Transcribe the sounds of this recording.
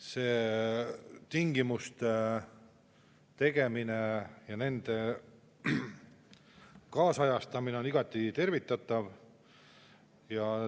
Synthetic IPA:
se̞ː | t̪iŋɡ̥imust̪e | t̪e̞ɡ̥e̞minejɑne̞nd̪̥e̞ | kɑːsɑjɑst̪ɑmine̞oniɡ̥ɑt̪ːˑit̪e̞rvit̪ːˑɑt̪ːˑɑv | jɑ

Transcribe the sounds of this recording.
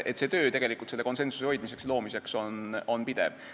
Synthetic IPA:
ʔet̪se̞ːt̪ø̞ːt̪e̞ɡ̥e̞likːˑult̪seːeko̞nse̞nsu̥seho̞jd̪̥mis̬e̞kslo̞ːmise̞ksono̞npid̪̥ḛv̥

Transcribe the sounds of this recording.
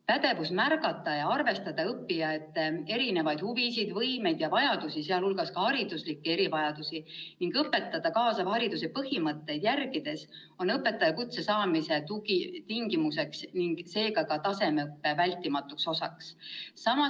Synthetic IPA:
pæd̪̥e̞vusmærɡɑt̪ːˑɑjɑɑrve̞st̪ɑd̪̥ɑɤpːijɑet̪ˑːee̞ɾine̞vɑjd̪̥huvisid̪vɤjme̞jd̪̥jɑvɑjɑd̪usiseɑlulɡɑskɑhɑɾid̪uslikːee̞ɾivɑjɑd̪̥usiniŋɡ̥ɤpːˑe̞t̪ːˑɑd̪̥ɑkɑːsɑhɑɾid̪use̞pɤhimɤt̪ːe̞jd̪̥jærɡid̪̥e̞s | o̞nɤpːˑe̞t̪ːˑɑjɑkut̪se̞sɑːmise̞t̪uɡit̪iŋɡ̥imuse̞ksniŋɡ̥se̞ːɡɑkɑt̪ɑse̞meɤpːe̞vælʲt̪ːˑimɑt̪ːˑukso̞sɑ̰ksːɑmɑ

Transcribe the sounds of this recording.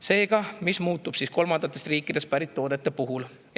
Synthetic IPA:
se̞ːɡ̥ɑmismuːt̪ːˑub̥sisko̞lmɑnd̪̥ɑt̪ːˑest̪riːkːˑid̪̥e̞st̪̚pæɾit̪ːo̞ːd̪̥et̪ːˑepuɦul

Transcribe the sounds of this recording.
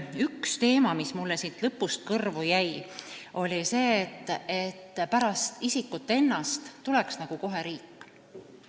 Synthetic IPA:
ykst̪e̞ːmɑmismulːesint̪lɤpːˑust̪̚kɤrvujæjʔo̞lʲise̞ːt̪ːˑe̞t̪ːpæɾɑst̪isikːˑut̪ːˑe̞nːɑst̪ːuleksnɑɡ̥uko̞ɦe̞ɾiːkː

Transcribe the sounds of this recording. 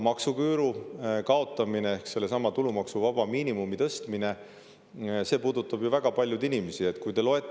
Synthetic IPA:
mɑksukyːɾukɑo̞t̪ːˑɑmine̞ehkse̞lːe̞sɑmɑt̪ulumɑksuvɑb̥ɑmiːnimumit̪ɤst̪mine̞ | se̞ːpuːd̪ut̪ːˑɑbjuvæɡ̥ɑpɑlʲjud̪inimesie̞t̪kujt̪e̞lo̞e̞t̪ː

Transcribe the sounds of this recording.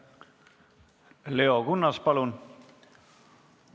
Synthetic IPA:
leoɡ̥unːɑspɑlun

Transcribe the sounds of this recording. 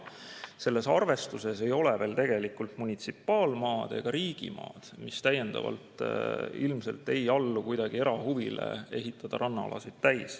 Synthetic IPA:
se̞lːe̞sɑrve̞st̪use̞se̞jo̞leve̞ːlt̪e̞ɡ̥e̞likːult̪munʲit̪sipːˑɑːlmɑːd̪̥e̞̰ɡ̥ɑɾiːɡ̥ḭmɑ̰ːd̪̥mist̪æje̞nd̪̥ɑ̰vɑ̰lt̪ˑilmse̞̰lt̪ːe̞jɑlːukujd̪̥ɑɡ̥ie̞ɾɑhuvilḛe̞ɦit̪ːˑɑd̪̥ɑɾʔɑnːɑɑ̰lɑ̰sid̪̥t̪æjs

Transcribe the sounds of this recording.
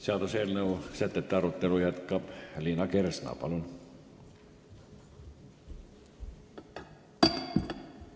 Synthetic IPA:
seɑlt̪oselneusæt̪ːet̪ːeɑɾut̪ːelujæt̪kɑplinɑkersnɑ̰ːpɑ̰lun

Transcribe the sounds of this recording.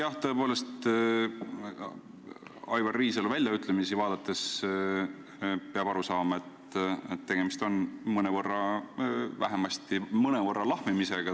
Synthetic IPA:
jɑht̪ɤe̞poːle̞st̪ | ɑjvɑrːiːs̬eluvælʲjɑyt̪ˑlemisivɑːd̪̥ɑt̪ːˑe̞s | peɑb̥ɑɾusɑːmɑe̞t̪ | et̪ːe̞ɡ̥e̞mist̪o̞nmɤnevɤrːɑ | væɦemɑst̪imɤnevɤrːɑlɑhmimise̞ɡ̥ɑ

